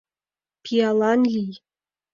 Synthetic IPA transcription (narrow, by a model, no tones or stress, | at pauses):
pʲʰiɑlˠɑnlʲij